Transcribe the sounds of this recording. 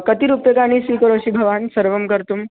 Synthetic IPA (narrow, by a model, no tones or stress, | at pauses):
kət̪iɾupəkañisʋikəɾoɕibʱəʋansəɾʋəmkəɾt̪uːm